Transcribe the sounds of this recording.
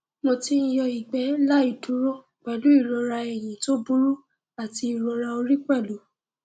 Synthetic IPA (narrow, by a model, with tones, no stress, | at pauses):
mõ˧ti˧˦jɔ˧i˨ɡ͡bɛ˨˦la˦i˦˨du˨˦ɾo˦˨ | k͡pɛ˨lu˨˦i˦˨ɾɔ˨˧ɾa˧ɛ˨j̃ĩ˨to˦bu˦ɾu˦ | a˦˨ti˧i˨ɾɔ˧ɾa˧o˧ɾi˦k͡pɛ˦˨lu˨˦